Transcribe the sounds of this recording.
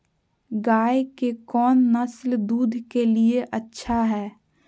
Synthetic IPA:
ɡaːekekɔːnːɐsld̪uːd̪ʱkelieʔɐtːʃʰaɦɛː

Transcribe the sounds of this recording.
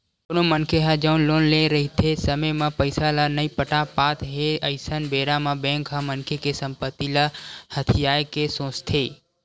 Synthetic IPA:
konomənkʰeɦəd͡ʒəʊnloːnlẽɾəɦit̪ʰesəməjmãpəɪsalanəipəʈapaːt̪ɦeəɪsənbeːɾamãbẽŋkɦəmənkʰekesə̃mpət̪ːilahət̪ʰijaːjkesõːt͡ʃt̪ʰe

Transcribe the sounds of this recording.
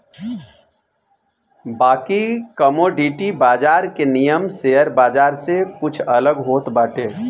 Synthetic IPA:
baːkikəmoɖiʈibaːd͡ʒaːɾkenijəmseɦəɾbaːd͡ʒaːɾsekʊt͡ʃʰələɡɦoːt̪baːʈeː

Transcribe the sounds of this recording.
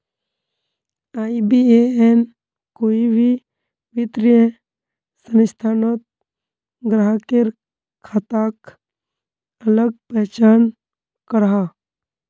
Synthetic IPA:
aːibieen | koːibʱi | ʋɪt̪ɾɪə | sənɪst̪ʰaːnot̪̚ | ɡɾaɦkeɾ | kʰaːt̪ak | ələɡ̚pɛɦt͡ʃaːn | kəɾɦa

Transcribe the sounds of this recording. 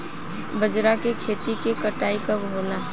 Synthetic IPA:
bəd͡ʒɾakekʰeːt̪ikekɐʈaːikɐbɦoːnaː

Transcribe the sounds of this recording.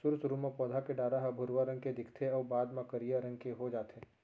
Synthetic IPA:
sʊɾsʊɾumãpɔ̃ːd̪ʱakeɖaːɾaɦɐbʱʊɾwaɾɐ̃ŋɡked̪ɪkʰt̪ʰeɔːbaːd̪mãkɐɾijaɾɐ̃ŋɡkeɦod͡ʒaːt̪e

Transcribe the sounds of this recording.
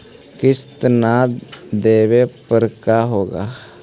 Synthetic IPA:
kɪst̪nad̪eːʋepəɾkaɦoːɡaː

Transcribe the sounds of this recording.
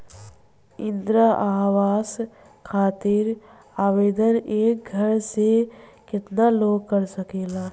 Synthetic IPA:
ɪ̃nd̪ɾaʔaːʋaːs | kʰaːt̪ɪɾ | aːʋeːd̪əneːk̚ɡʱəɾsekɪt̪naloːɡ̚kəɾsəkeːlaː

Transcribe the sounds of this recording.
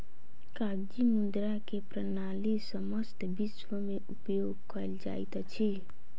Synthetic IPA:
kaɡd͡ʒimund̪ɾakepɾənalisəməst̪biswəmeʔupjoɡ̚kəjld͡ʒa̰jt̪t͡ʃʰi

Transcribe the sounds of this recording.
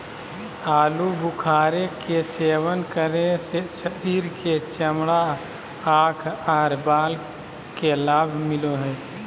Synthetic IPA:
aːlubukʰaːɾekeseːwənkəɾesesəɾiːɾket͡ʃəmɽa | aːkʰaːɾbaːl | kelaːbʱmɪloɦɛː

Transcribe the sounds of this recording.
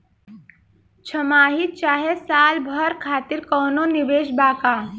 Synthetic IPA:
t͡ʃʰəmaːɦit͡ʃaːɦesaːlbʱɔɾkʰaːt̪iɾkɔːnoniʋeːʃbaːkaː

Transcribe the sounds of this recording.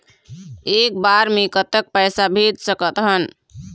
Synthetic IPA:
ek̚baɾmekət̪ək̚pəjsabʱed̪səkət̪ɦən

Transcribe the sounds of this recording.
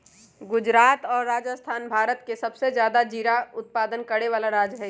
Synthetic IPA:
ɡʊd͡ʒɾaːt̪ɔːɾːaːd͡ʒəst̪ʰaːnbʱaːɾət̪kesɐbsed͡ʒjaːd̪ad͡ʒiːɾaʊt̪̚paːd̪ənkəɾeʋaːlaɾaːd͡ʒɦɛ

